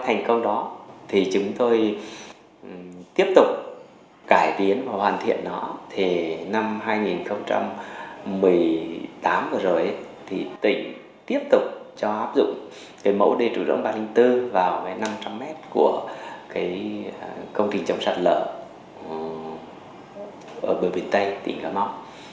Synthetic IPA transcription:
t̪ʰa˨˩ŋ̟kə˧wŋ͡mɗɔ˨˦t̪ʰi˨˩t͡ɕʊ˨˦ŋ͡mt̪o˧j | t̪i˦˥əp̚t̪ʊ˨˩k͡p̚ | kaː˧˩jt̪i˨˦ənvaː˨˩hwaː˨˩nt̪ʰḭ˧˨ənːɔ˨˦t̪ʰi˨˩na˧mɦaː˧jŋi˨˩nxə˧wŋ͡mt͡ɕa̰˧mː | ɨ˨˩əjt̪aː˨˦mvɨ˨˩zo˨˩jʔə˨˦ | t̪ʰi˨˩t̪ḭ˧˨ŋ | t̪i˦˥əp̚t̪ʊ˨˩k͡p̚t͡ɕɔ˧ʔaː˦˥p̚zʊ̰˧˨ŋ͡m | kaː˨˦jmə̰˧˥wɗi˧˩t͡ɕu˧˩zɨ̰˧˨əŋɓaː˧lï˧ŋt̪ɨ˧vaː˨˩wkaː˨˦jna˧mt͡ɕa˧mːɛ˦˥t̚ku˧˩əkaː˨˦j | kə˧wŋ͡mt͡ɕï˨˩ŋ̟t͡ɕə˨˦wŋ͡msa̰ː˧˩t̚lə̰ː˧˩˨ | ʔəː˧˩ɓə˨˩ɓi˨˩ənt̪ə˧jt̪ḭ˧˩ŋkaː˨˦ma˨˦˥w̚

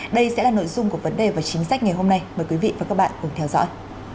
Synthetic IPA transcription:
ɗə˧jsɛ̰˧˥laː˨˩no̰˧˨jzʊ˧ŋ͡mku˧˩əvə˨˦nɗe˨˩vaː˨˩t͡ɕï˨˦ŋsa˦˥k̟̚ŋa˨˩jhɦo˧mna˧jmməː˨˩jkwi˨˦vḭ˧˨vaː˨˩kaː˦˥k̚ɓa̰ː˧˨nʔṵ˨˦əŋt̪ʰɛ˧wzɔ̰˧˥j

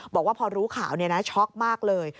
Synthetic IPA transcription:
bɔː˨˩k̚waː˥˩pʰɔː˧ɾuː˦˥kʰaː˩˦wni˥˩ɐna˦˥t͡ɕʰɔ˦˥k̚maː˥˩k̚lɤː˧j

